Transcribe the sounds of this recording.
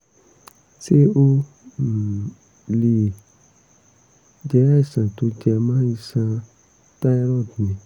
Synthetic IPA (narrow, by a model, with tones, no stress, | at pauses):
se˦o˦˨ | li˨ | d͡ʒɛ˨˦ɾa˦i˦˨sã˨to˨˦d͡ʒɛ˧mãː˦i˦sã˧ | ta˦i˦ɾɔ̃˦˨dnĩ˨˦